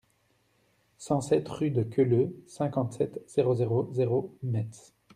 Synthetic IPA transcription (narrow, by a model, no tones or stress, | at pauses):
sɑ̃sɛt̪χyd̪əkʲʰøløsɛ̃kɑ̃t̪sɛt̪z̥eʁozeʁozeʁoymɛt̪